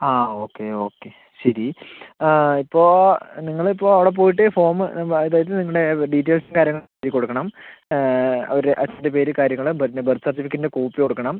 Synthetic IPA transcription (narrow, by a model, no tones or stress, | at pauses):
aːo̞ːkːeo̞ːkːe | ɕɐɾi | ipːo̞ːniŋːɐɭipːo̞ːɐʋiɽe̞p̬o̞ːjiʈ̬ːefo̞ːmɨ̰ɐeðaːjɐðɨniŋːuɽe̞ɖitːeːlsmkaːɾjɐŋːɐɭiːd̪ikːo̞ɽukːɐɳɐm | ɐ̰ʋɐɾeʔɐt͡ɕːɐdepeːɾɨkaːɾjɐŋːɐɭbbɐrt̪ːsart̪ːifikːndekuːpːiko̞ɽukːɐɳɐm